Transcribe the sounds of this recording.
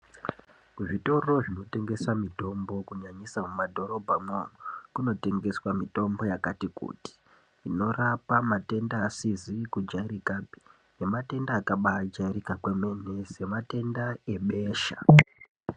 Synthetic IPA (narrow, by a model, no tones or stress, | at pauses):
uʐito̞ro̞ʐino̞te̞ŋɡe̞samito̞mbo̞kuɲaɲisamumadʱo̞ɾo̞bʱamonokuno̞te̞ŋɡe̞swamito̞mbo̞jakatikṵːti̥ | ino̞rapamate̞ndaːsizikud͡ʒaiɾikabʱi̥ | jemate̞ndaːkaɓad͡ʒaiɾikakwemene̞se̞mate̞ndae̞ɓe̞ːʃa̰